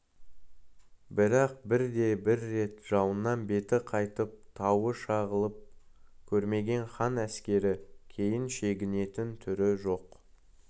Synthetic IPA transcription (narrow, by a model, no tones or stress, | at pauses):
bɪɾɑq̚bɪɾd̪e̞bɪɾːe̞t̪ʒ̥ɑwənːɑnbe̞t̪ɪqʰɑjt̪əp̚t̪ʰɑwəʃɑʁəlˠəp̚kʲʰɵɾme̞ɡʲe̞nχɑnæskʲe̞ɾɪkʲʰe̞jɪnʃe̞ɡʲɪne̞t̪ɪnt̪ʰʏɾɪʒo̞q